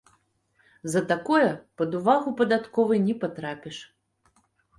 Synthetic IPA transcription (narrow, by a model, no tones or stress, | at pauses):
zɐt̪akɔjɐpɐd̪uvaɣupɐd̪at̪kɔvɨjnʲɛpat̪ɾapʲɛʂ